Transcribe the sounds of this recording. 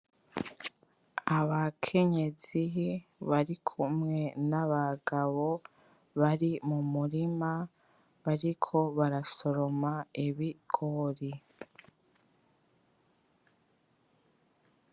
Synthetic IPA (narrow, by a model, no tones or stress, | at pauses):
aβakʰe̞ɲe̞ziɦiβaɾikʰumŋe̞naβaɡaβo̞ | βaɾimumuɾima | βaɾikʰo̞βaɾaso̞ɾo̞maiβiɡ̥oɾi